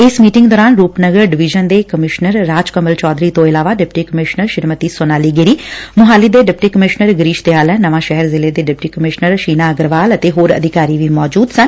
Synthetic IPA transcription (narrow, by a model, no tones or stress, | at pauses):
ɪsmiːʈɪ̃ŋɡd̪ɔːɾaːnɾuːpnəɡəɾɖɪʋɪd͡ʒənd̪eːkəmɪʃnəɾːaːd͡ʒkəməlt͡ʃɔːd̪ɾiːt̪õːɪlaːʋaːɖɪp̚ʈiːkəmɪʃnəɾʃɪɾmət̪iːsonaːliːɡɪɾiːmʊɦaːliːd̪eːɖɪpʈiːkəmɪʃnəɾɡəɾiːʃt̪eaːlɛ̃ːnəʋãːʃɛɦəɾzɪleːd̪eːɖɪpʈiːkəmɪʃnəɾʃiːnaːəɡəɾʋaːlət̪eːɦoːɾə̰d̪ʱɪkaːɾiːʋiːmɔːd͡ʒuːd̪sən